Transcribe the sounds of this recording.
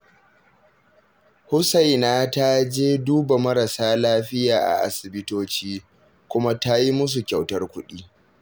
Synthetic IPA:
hʊ˦sa˨jnaː˦ta˦d͡ʒeː˦duː˦ba˨mɐ˦ɾa˨saː˦laː˦ɸɪ˦jaː˨ʔa̰˨ʔa̰˨sɪ˨bɪ˦toː˦t͡ʃiː˦ | kʷʊ˦ma˦ta˦ji˦mʊ˦s̬u˨kʲa˨wtɐ˦rkʷʊ˦ɗiː˦

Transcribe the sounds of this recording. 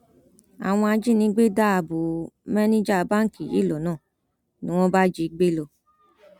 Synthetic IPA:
a̰˨w̃ɔ̃˧a˧d͡ʒi˦nĩ˧˦ɡ͡be˦da˦a˨bo˨mɛ˦nĩ˦d͡ʒa˦˧˦ba˦ŋ̩˨ki˨ḭ˦˨lo˨˦nãː˦˨ | nĩ˨˦w̃ɔ̃˦ba˦d͡ʒi˧˨˦ɡ͡be˦lo˧˨

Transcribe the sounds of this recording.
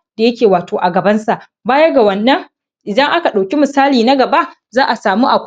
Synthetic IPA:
d̥a˨jɐ˦kʲeː˨waː˨toː˨ʔa˨ɡɐ˨bɐ˦nsa˨ʔ | baː˦jɐ˦ɡa˨wɐ˨nːɐ˦ŋ | ʔɪ˨dɐ˦ŋʔa˦ka˨ɗa˨wkʲi˦mʊ˨saː˦liː˨na˦ɡɐ˨ba˦ʔ | zaː˦ʔa˨saː˨muː˦ʔa˨kʷ

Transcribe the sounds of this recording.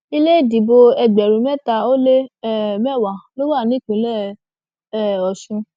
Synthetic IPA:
i˧le˦i˦˨di˨bo˧ɛ˧ɡ͡bɛ˨ɾũ˨˦mɛ˦˨ta˧o˦le˦ɛ˦˨mɛ˦˨wa˨lo˦wa˦˨nĩ˨˦k͡pĩ˨˦lɛ˦˨ | ɛ˦˨ɔ˨ʃũ˧

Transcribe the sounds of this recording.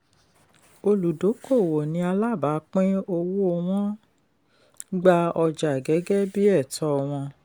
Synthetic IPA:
o˧lu˨do˨˦ko˦˨wo˨nĩ˧˦a˧la˦˨ba˨˦k͡pĩ˦o˧wo˦o˦˧w̃ɔ̃˦ | ɡ͡ba˧ɔ˧d͡ʒa˨ɡɛ˨˦ɡɛ˦bi˦ɛ˦˨tʰɔ˧˨w̃ɔ̃˧

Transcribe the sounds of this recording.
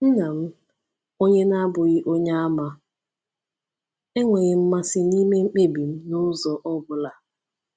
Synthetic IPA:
n̩˦na˨m̩˦ | o˦ɲe˦na˦bʊ˨ɣɪ˦ʔo˦ɲa˦a˦ma˦ | e˦ŋʷe˨ɣɪ˨m̩˦ma˦sɪ˦ni˦me˦ŋ͡m̩˦k͡pe˦bi˨m̩˦nʊ˦zɔ˨ʔɔ˦bʊ˨la˨

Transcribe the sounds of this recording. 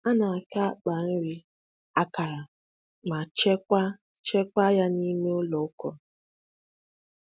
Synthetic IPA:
a˦na˨a˨ka˦k͡pa˨n̩˦ɾi˦ | a˦ka˨ɾa˨ | ma˨t͡ʃe˦kʷa˦ | t͡ʃe˦kʷa˦ja˦ni˦me˦o˦lɔ˨o˦kɔ˨

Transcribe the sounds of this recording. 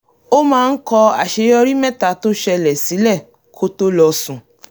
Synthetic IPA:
o˦mãː˦˧n̩˦kɔ˧a̰˨ʃe˨˧jɔ˧ɾi˦mɛ˦˨ta˨˦to˦ʃɛ˧lɛ˨si˨˦lɛ˦˨ | kʰo˦to˦lɔ˧sũ˨

